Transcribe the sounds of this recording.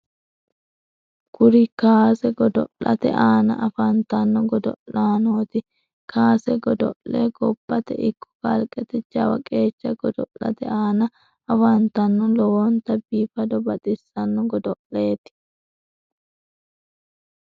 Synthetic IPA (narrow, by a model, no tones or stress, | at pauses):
kʊɾɪkaːsɛɡɔd̪ɔ̰ʔlɐ̰t̪ɛ̰ʔaːnɐ̰ʔɐfɐnt̪ɐnːɔɡɔd̪ɔ̰ʔlaːnoːt̪ɪ | kʰaːsɛɡɔd̪ɔʔeɡɔbːɐt̪ɛ̰ʔɪkːɔ̥kɐlkʼːɛt̪ɛd͡ʒɐwɐkʼe̞ːt͡ʃːɐɡɔd̪ɔʔɐ̰t̪ɛaːnɐ | ɐfɐnt̪ɐnːɔlɔwoːnt̪ɐbiːfɐd̪ɔbɐt̪ʼɪsːɐnːɔɡɔd̪ɔʔle̞ːt̪ɪ̥